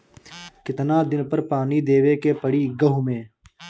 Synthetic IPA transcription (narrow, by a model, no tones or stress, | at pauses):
kɪt̪nad̪ɪnpəɾpaːnid̪eːwekepəɽiɡɐɦʊmẽː